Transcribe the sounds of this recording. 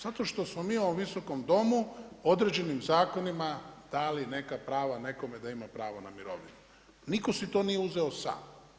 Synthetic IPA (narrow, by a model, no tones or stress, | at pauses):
zat̪o̞ʃt̪o̞smomiːoʋomʋiso̞ko̞md̪o̞muo̞d̪ɾed͡ʑe̞nimzaːko̞nimad̪̥aline̞kapɾaːʋane̞ko̞med̪aimapɾaːʋanamiɾo̞̰ʋinu | niko̞sit̪o̞ːnijeuze̞o̞sa̰ːm